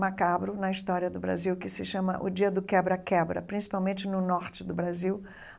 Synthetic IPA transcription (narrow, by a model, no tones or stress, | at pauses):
makabɾʊnɐist̪ɔɾiɐd̪ʊbɾa̰ziwkɪsɪʃɐ̃mɐ̰ʔʊd͡ʒiɐd̪ʊkɛbɾɐkɛbɾɐ̰pɾĩsi̥pawmẽt͡ʃɪnʊnɔɾt͡ʃɪd̪ʊbɾaziw